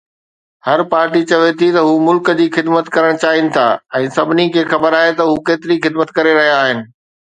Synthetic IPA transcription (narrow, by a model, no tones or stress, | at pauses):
hɐɾpaːɾʈit͡ɕɐʋet̪ʰit̪ɐɦumʊlkd͡ʑiːxɪd̪mət̪kɐɾəɽ̃t͡ɕaːɦɪnɪ̆t̪ʰa̰ːɛ̃ːsɐbʱɪnikʰeːxɐbəɾaːɦet̪ɐɦukeːt̪ɪɾixɪd̪mət̪kɐɾeɾɐɦijaaːɦɪnɪ̆